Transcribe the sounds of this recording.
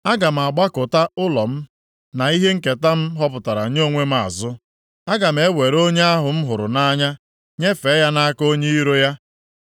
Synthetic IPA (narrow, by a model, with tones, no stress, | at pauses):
a˦ɡa˨m̩˨a˨ɡ͡ba˦kʊ˨ta˦ʊ˦lɔ˨m̩˦ | na˨i˦ɦe˦ŋ̩˦ke˨ta˦m̩˦ɦɔ˦pʊ˨ta˨ɾa̰˨˦ɲ˦o˦ŋʷe˦m̩˦a̰˨zʊ˦ | a˦ɡa˨m̩˦e˦we˨ɾo˦ɲe˦a˦ɦʊ˨m̩˦ɦʊ˨ɾʊ̰˨na˦ɲa˦ | ɲe˦fe˨˦ja˦na˦ko˦ɲe˦i˦ɾo˦ja˦